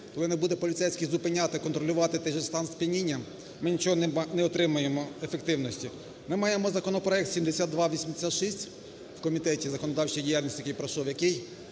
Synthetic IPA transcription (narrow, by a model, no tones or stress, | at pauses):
kɔlˠɪnɛbud̪ɛpɔlʲɪt̪sɛjsʲkʲɪjzʊpɪnʲat̪ɪkɔnt̪ɾɔlʲʊʋɑt̪ɪt̪ɛjʒɛst̪ɑnspʲinʲinʲːɐ | mɪnʲit͡ʃɔɦɔnɛnɛɔt̪ɾɪmʊjemɔefek̚t̪ɪwnɔsʲtʲi | mɪmɑjemɔzɐkɔnɔpɾɔɛk̚t̪sʲimd̪esʲat̪ːʋɑʋʲisʲmd̪esʲat̪ʃisʲtʲ | wkɔmʲit̪ɛtʲizɐkɔnɔd̪ɑwt͡ʃɪjdʲijalʲnʲisʲijkɛjpɾɐʃɔwjɐkɪj